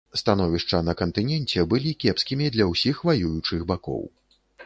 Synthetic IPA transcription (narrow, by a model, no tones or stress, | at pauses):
st̪anɔvʲiʂt͡ʂɐnɐkɐnt̪ɨnʲɛnt͡sʲɛbɨlʲikʲɛpskʲimʲid̪lʲɐwsʲixvajujut͡ʂɨɣbakɔ̰w